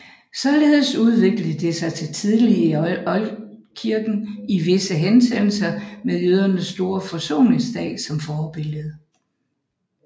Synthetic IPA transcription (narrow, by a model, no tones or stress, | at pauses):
sɒ̽le̝ːð̞ˠəsuð̞ˠʋe̝ɡ̥ləð̩ˠd̥esɑ̈ɪt͡sʰe̝lt͡sʰið̞ˠliɒ̽l | kʰiɐɡ̥n̩iʋe̝səɦensʰem̰l̩sɐmeðˠjøð̞ˠɐnəsːd̥o̝ːɐfɒ̽so̝̰ːne̝ŋsd̥ɛ̰̥ːsɒ̽mfɒːb̥e̝ləð̩ˠ